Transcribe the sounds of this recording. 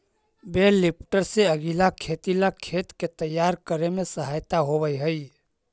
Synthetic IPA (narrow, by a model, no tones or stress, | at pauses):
belːɪpʈəɾseəɡilakʰet̪ilakʰeːt̪ket̪əjːaɾkəɾemẽsəɦaːjt̪aɦobəjɦəi